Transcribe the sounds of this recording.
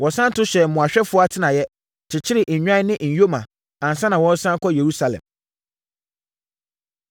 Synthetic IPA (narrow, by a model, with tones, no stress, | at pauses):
wɔ̃˨sã˦n˦tʰʊ˦ɕɛ˨m̩˨mʊ̃˨a˨ɕᶣɛ˦fʊ˦ɔ˦a˦tʰɪ˦nã˨jɛ˦ | t͡ɕʰɪ˨t͡ɕʰɪ˦ɾɪ˨ʔɲ̩˨ɲᶣã˦nɪ̃˦ʔɲ̩˨jo˦mã˨ | ã˨n̩˨sã˦nã˨wɔ̃˦n̩˦sã˦kʰɔ˦je˨ɾu˦sa˨lɛ̰̃˨m